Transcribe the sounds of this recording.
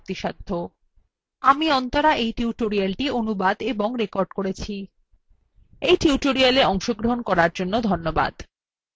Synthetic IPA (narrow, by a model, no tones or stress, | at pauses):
t̪iʃad̪ʱːo | amiɔnt̪aɾaʔejʈiuʈoɾialʈionubad̪eboŋɾekoɾɖkoɾet͡ɕʰi | ejʈiuʈoɾialeɔŋʃoɡɾoɦonkɔɾaɾd͡ʑonːod̪ʱonːoba̰d̪